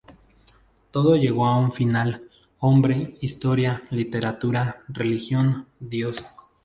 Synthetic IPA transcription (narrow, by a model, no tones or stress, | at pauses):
t̪o̞ðoʝe̞ɣo̞auɱfinal | o̞mbɾeist̪o̞ɾjalit̪e̞ɾat̪uɾarelixjo̞nd̪josḁ